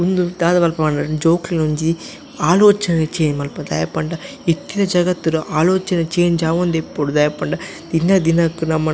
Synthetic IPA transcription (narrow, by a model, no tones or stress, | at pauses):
und̪ud̪aːðɐʋɐlpɐɐnɐd͡ʒoːklinoɲd͡ʒi | aːloːt͡ʃɐnɐt͡ʃeːnmɐlpɐd̪ɐ̰ːjɐpːɐɳɖa | it̪ːinɐd͡ʒɐɣɐt̪ːɯɾɯʔaːloːt͡ʃɐnɐt͡ʃeːnd͡ʒaːʋɐnd̪epːoɽud̪ɐjɐpɐɳɖa | d̪̥ɪnːɐd̪ɪnɐkːɯnɐmːɐ